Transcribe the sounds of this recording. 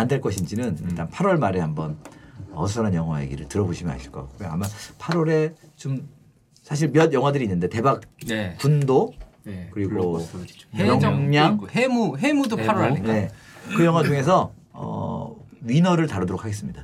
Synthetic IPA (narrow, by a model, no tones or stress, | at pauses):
andeɭk͈ʌɕʰind͡ʑinɯnḭɭt͈anpʰaɾwʌɭmaɾe̞hambʌnʌs̬ʰʌɾʌnjʌŋɦwa̰ḛɡḭɾɯɭtɯɾʌboɕʰimɯna̰ɕʰi̥ɭk͈ʌkak͈ojoa̰mːapʰaɾoɾe̞t͡ɕom | sʰaɕ̬ʰiɭmjʌdjʌŋɦwadɯɾiːnːɯnde̞te̞bak̚pundo | kɯɾiɡo | jʌmjaŋɦemuɦe̞mudopʰaɾoɾaie̞ | kɯjʌŋɦwad͡ʑuŋe̞sʰʌ | ʌ̰ | ɥinʌɾɯɭtaɾudoɾokʰaɡe̞s͈ɯmɲid̥a